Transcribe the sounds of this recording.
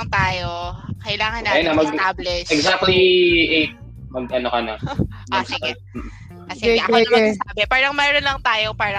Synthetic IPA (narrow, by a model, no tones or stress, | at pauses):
ŋt̪aːjo̞kɐʔɪlaːŋɐnːɐjanamɐɡ̪ablɪʃɛɡzak̚t̪liʔe | mɐɡʔɐnokɐnɐosɪɡɛ | osɪɡɛʔɐɡɡɛsabɛpaːɾɐŋmɛːɾonlɐŋt̪aːjopaːɾɐ